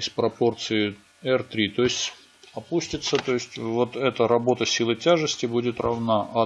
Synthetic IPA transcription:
sʲpɾɐpo̞rt̪sɨɪ | ɛrt̪ɾʲit̪o̞ɪsʲtʲ | ɐpusʲtʲɪt̪sət̪o̞ɪsʲtʲvo̞t̪ɛt̪əɾɐbo̞t̪əsʲilˠɨtʲaʐɨsʲtʲɪbudʲɪt̪rɐvnaʔɐ

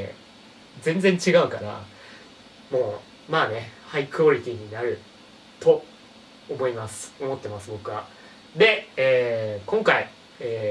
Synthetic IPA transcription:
d͡zẽ̞nd͡zẽ̞ɲ̟t͡ɕiɡaɯ̟kaɾa̰ | moː | maːne̞haikɯoɾʲit̪ʲiɲ̟inaɾɯ̟ | t̪o̞ | omo̞imasɨ̥o̞mo̞t̪ːe̞masɨbo̞kɯ̟βa | d̪e̞eːkõ̞ŋkai | eː

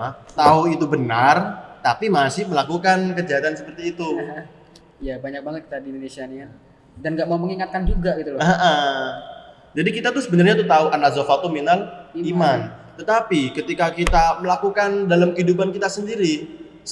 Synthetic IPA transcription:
at̪auit̪ubənart̪apimasɪhməlakukankəd͡ʒaɦat̪ansəpərt̪iːt̪u | jabaɲak̚baŋət̪̚ki̥t̪adindonesiania | danɡaʔmauməŋiŋat̪̚kand͡ʒuɡaɡit̪uləʔə | d͡ʒadikit̪at̪ʊsəbənarɲat̪ut̪auʔanazofat̪uminalimant̪ət̪apikət̪ikakit̪aməlakukandalamkəidupankit̪asəndiɾi | s

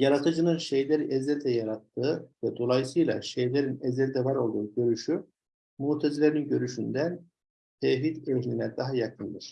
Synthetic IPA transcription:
jaɾat̪ʰɯd͡ʒɯnɯnʃe̞jlʲæɾiʔɛzɛld̪ɛjaɾat̪ʰːɯːvɛd̪o̞lˠajsɯjlˠa̰ʃejlʲeɾinɛzɛld̪ɛvaɾo̞lˠd̪uːɟø̞ɾyʃy | muːt̪ʰɛzilʲeɾinɟø̞ɾyʃynd̪æn | t̪ʰɛvɦit̪eɦlʲinɛd̪aɦajakʰɯnd̪ɯɾ̥

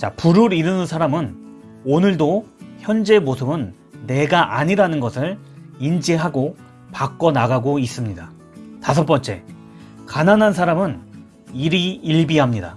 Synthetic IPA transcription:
t͡ɕapuɾɯɾiɾɯnɯnsʰaɾamɯnonɯɭdoçjʌnd͡ʑe̞mosʰɯbɯnː | e̞ɡaʔaɲiɾanɯnɡʌsʰɯɭ | ind͡ʑiɦaɡo | pak͈ʌnaɡaɡois͈ɯmɲida | tas̬ʰʌp͈ʌnt͡ɕ͈e̞̰ | kananɦans̬ʰaɾamɯn | iɾiiɭbiɦamɲida

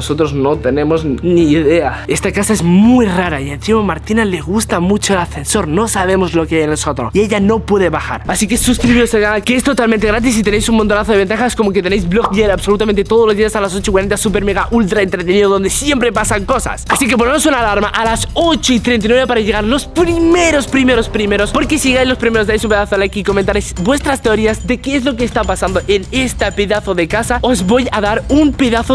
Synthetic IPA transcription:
oso̞t̪ɾozno̞t̪e̞ne̞mo̞zniːðe̞a | e̞st̪akasaezmujraɾaie̞nθimomaɾt̪inale̞ɣust̪amut͡ʃoelaθe̞nso̞ɾno̞saβ̞e̞mo̞zlo̞keajenelsot̪ɾoie̞ʝano̞pwe̞ðe̞βaxa̰ɾasike̞suskɾiβiɾoseɣaakeest̪o̞t̪alment̪eɣɾat̪̬is̬it̪e̞ne̞jsunmont̪onaθoðeent̪axasko̞moket̪e̞nejzblokʎeɾaβso̞lut̪amẽnt̪̬et̪oð̞olo̞zðiasalas̬ot͡ʃoikwaɾent̪asupe̞ɾmeɣaʔult̪ɾaent̪ɾet̪eniðoðo̞nd̪e̞sje̞mpɾe̞pasaŋko̞sa̰sasike̞p̬onemosunalaɾmaʔalasot͡ʃoit̪ɾent̪̬inweβepaɾaʝe̞ɣ̞aɾlo̞spɾimmeɾo̞spɾime̞ɾo̞spɾime̞ɾo̞spo̞ɾkesiʝeɣajzlo̞spɾimeɾod̪ajsumpe̞ðaθoalakiːko̞mẽnt̪aɾejsbwe̞st̪ɾast̪eoɾiazd̪e̞keez̬lo̞keːst̪apasand̪oʔe̞ne̞st̪apeðaθoðe̞kasao̞zβo̞jaðaɾumpe̞ðaθo

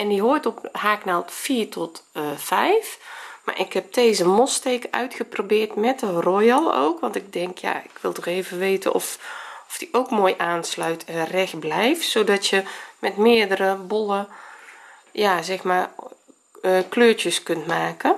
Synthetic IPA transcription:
ɛndiɦojtɔphaːknaːlˠtfiːɹtʰɔtfɛjfma̰ɹʔɪkhɛp̚tʰeːzəmɔstejkœ̰ɥtxəprobɪːrtmɛtərojɑlˠo̰wkʋɑntɪɡ̚dɛŋkʰja̰ɪkʋɪlˠtɔxeːvəʋeːtə̰nʔɔ̰fɔfd̥iʔowkmoːjʔaːnslœɥtʰrɛxblɛjftsoːdɑtjəmɛtmɪːəɹdərəbɔlˠə | jazɛxmaː | kløːɹtjəskɵntmaːkə

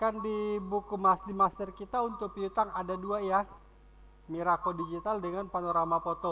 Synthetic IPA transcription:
kandibukumasdimast̪ɪrkit̪aunt̪ʊk̚piut̪aŋadaduaja | miɾakɔdid͡ʒit̪aldəŋanpanoɾamapɔt̪ɔ

